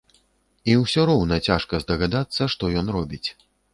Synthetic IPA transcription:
iwsʲɔɾɔwnɐt͡sʲaʂkɐzd̪ɐɣad̪at̪sːɐʂt̪ɔjɔnrɔbʲit͡sʲ

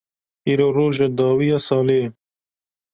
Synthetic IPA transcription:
iɾoɾoːʒed̪ɑːwiasɑːleː

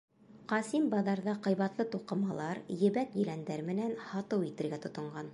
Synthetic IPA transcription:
qɑsimbɑðɑɾðɑqɤ̆jβɑt̪lˠɤt̪uqɤ̆mɑlˠɑɾjɘ̆βæk̪jɘ̆lænd̪æɾmɘ̆nænhɑt̪ɤwit̪ɘ̆ɾɡæt̪ŏt̪ŏɴɢɑn

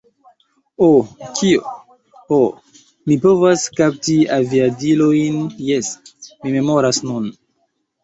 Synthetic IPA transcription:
okʰio | o | mipo̞vaskap̚tiaviadilojnjesmime̞mo̞ɾasnun

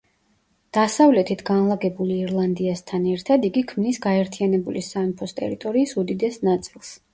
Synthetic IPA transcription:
d̪̥asavlɛt̪ʰit̪ʰɡanlˠaɡɛbuliːɾlˠand̪iast̪ʰanɛɾt̪ʰad̪iɡikʰmnisɡaɛɾt̪ʰianɛbulisanpʰɔst̪ʼɛ̰ɾit̪ʼɔɾiːsud̪id̪ɛsnat̪sʼilˠs

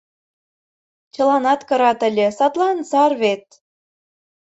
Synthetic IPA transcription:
t͡ɕɤ̆lɑnɑt̪kɤ̆ɾɑt̪ə̆lʲĕsɑt̪lˠɑnsɑrβet̪̚

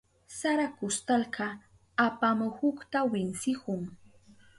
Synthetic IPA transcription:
saɾakʊst̪alkɑ | apamʊhʊkt̪awɪnsɪkʊŋ

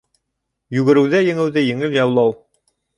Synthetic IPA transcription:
jʉɡɘ̆ɾɘ̆wðæjɘ̆ŋɘ̆wðɘjɘ̆ŋɘljɑwlˠɑw

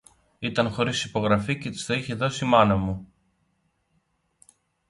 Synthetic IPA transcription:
it̪ɐnxo̞ɾisipo̞ɣɾɐfice̞t̪i̥stoiçe̞ðo̞simɐnɐmu

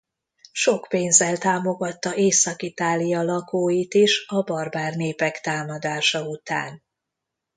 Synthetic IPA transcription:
ʃo̞kpeːnzɛlt̪aːmo̞ɡɒt̪ːɒʔeːsɒkit̪aːlijɒlɒkoːjit̪iʃɒbɒrbaːrneːpɛkt̪aːmɒd̪aːʃɒut̪a̰ːn

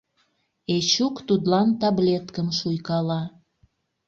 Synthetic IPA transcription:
et͡ɕukt̪ud̪lɑnt̪ɑblet̪kəmʃujkɑlɑ

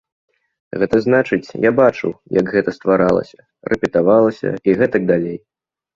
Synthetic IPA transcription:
ɣɛt̪ɐznat͡ʂɨt͡sʲjabat͡ʂɨwjɐɡɣɛt̪ɐst̪vaɾalˠɐ̰sʲɐ | rʔɛpʲɛt̪avalˠɐsʲɐ̰iɣɛt̪ɐɡ̚d̪alʲej

